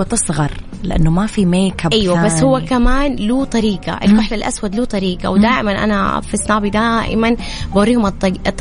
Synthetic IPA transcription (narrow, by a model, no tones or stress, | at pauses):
t̪ɨsˤɣɑɾˤ | lɪʔanːʊmafimeːkabʔajwabasːhʊwːakamaːnluːt̪ˤɑɾiːɡa̰ʔɪ̰lkʊħlalʔa̰swad̪luːt̪ˤɑɾiːɡa̰wd̪aːʔɪmanʔa̰nafisnaːbid̪aːʔɪ̰man | bawʊɾːiːhʊmt̪ˤːt̪ːˤ